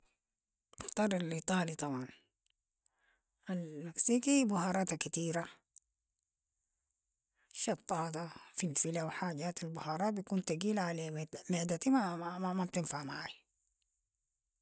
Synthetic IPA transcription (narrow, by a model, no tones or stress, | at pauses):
ɪxt̪ˤɑɾˤɑlʔiːt̪ˤɑːlit̪ˤɑbʕɑn | almaksiːkibʊhɑːɾˤɑːt̪akat̪iːɾa | ʃɑt̪ˤːɑːt̪afinfilawħaːɟaːt̪albʊhɑːɾˤɑbjakuːnt̪aɡiːlʕalemɪʕd̪at̪imamamab̚t̪ɪnfaʕmaʕaːj